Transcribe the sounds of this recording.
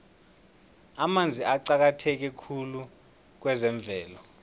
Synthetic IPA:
amand͡zʱiʔaǀak̬atʰɛk̬ɛkʰulu | k̬wɛzɛɱb̪vʱɛːlɔ

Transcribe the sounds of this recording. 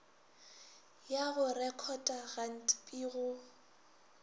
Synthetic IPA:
jaɣʊrɛkʰɔtʼaɣan̩tʼpʼiːɣʊ

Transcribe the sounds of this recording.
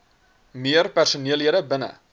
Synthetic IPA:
miərpærsuniəlˠɦiəɾəbənə̰

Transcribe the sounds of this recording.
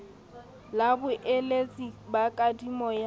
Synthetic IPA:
labʊʔelet͡sʼibakʼadimɔja

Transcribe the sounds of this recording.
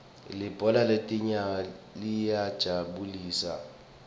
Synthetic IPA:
lib̥ʱɔlaletʼiɲalijad̥ʒ̥ʱaɓuliːsa̰

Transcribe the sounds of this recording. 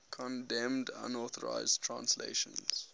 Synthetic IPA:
kʰɔ̃ndɛ̃mdã̰nɔθəɹa̰ɪzdtʰɹãnslḛɪʃə̃nz̥

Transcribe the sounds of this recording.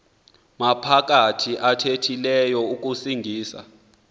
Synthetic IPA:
mapʰak̬ʼatʰiʔatʰetʰilɛjɔuk̬ʼusiŋɡʱiːsa̰

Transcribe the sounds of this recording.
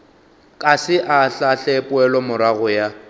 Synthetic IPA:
kʼasɪʔaɬaɬɛpʼʊɛlɔmʊɾaɣʊja

